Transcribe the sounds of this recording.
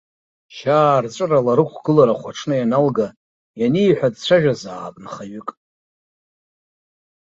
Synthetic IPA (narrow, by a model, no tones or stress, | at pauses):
ʃaːrt͡sʷʼɨralaɾɨkʷʰɡ̥ɨlaɾaχʷaʈ͡ʂʰnɨjanalɡa | janiːħʷᶣadt͡ɕʷʰaʒᶣazaːbnχaɥʏkʼ